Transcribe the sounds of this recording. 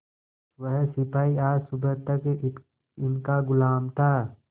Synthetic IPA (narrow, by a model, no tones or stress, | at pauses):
ʋəɦsɪpaːiaːɾsʊbʱəɾt̪ɐk | ɪnkaɡʊlaːmt̪ʰaː